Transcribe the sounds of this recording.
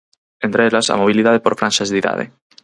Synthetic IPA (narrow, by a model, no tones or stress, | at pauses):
ent̪ɾeelasa̰moβ̞iliðað̞epoɾfɾãnʃaezðiða̰ð̞ḛ